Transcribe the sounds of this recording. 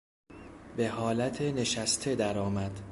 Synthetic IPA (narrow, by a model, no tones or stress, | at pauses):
be̞ɦɒːlæt̪ʰene̞ʃæst̪ʰe̞d̪æɾɒːmæd̪̥